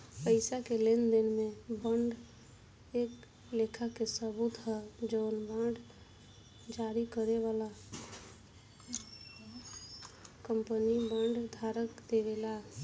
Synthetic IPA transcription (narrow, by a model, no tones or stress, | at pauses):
pəɪsakelend̪inmebəɳɖ | ek | lekʰakesəbut̪ɦəd͡ʒoʊnbãɳɖ | d͡ʒaɾikəɾeʋala | kəmpənibəɳɖd̪ʱaɾəkd̪eʋela